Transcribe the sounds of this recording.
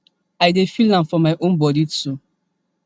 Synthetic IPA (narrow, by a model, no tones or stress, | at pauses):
aɪdefilãnfɔmaɪʔonbɔditu